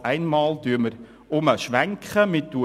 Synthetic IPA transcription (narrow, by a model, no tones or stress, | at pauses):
æɪnmɑːldyːməɾ | ʊməʃʋæŋkχəmɪtdu